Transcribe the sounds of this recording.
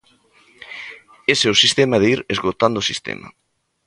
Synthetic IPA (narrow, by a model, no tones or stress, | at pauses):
esewsist̪emɐðeiɾezɣot̪and̪osist̪ḛmɐ̰